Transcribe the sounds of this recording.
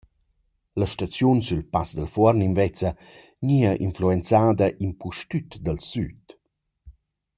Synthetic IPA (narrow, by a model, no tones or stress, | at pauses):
laʃtat͡sjunsylpasd̪əlfɔɾninvɛt͡sə | ɲiɐʔinfluent͡saːd̪ɐʔinpuʃtyt̪d̪əlsyt